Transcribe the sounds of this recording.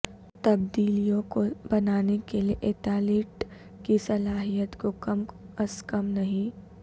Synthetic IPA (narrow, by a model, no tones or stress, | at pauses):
t̪ɐbd̪iːlijõkobɐnaːnekelieʔeːt̪aːleːʈ | kisɐlaːɦijət̪kokɐmɐskɐmnɐɦĩ